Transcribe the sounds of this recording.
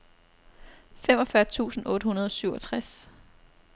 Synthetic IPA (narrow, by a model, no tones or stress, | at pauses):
fem̰ɒ̽fɶɐt͡sʰṵːsn̩ɔ̽ːɾəhunɐð̞ˠɒ̽syʊɒ̽t͡sʰʁas